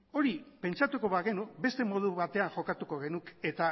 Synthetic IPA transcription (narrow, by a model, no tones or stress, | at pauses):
o̞ɾipe̞nt͡ʃat̪uko̞βaɣe̞nukbe̞st̪e̞mo̞ð̞uβat̪e̞anʝo̞kat̪uko̞ɣ̞e̞nuke̞t̪a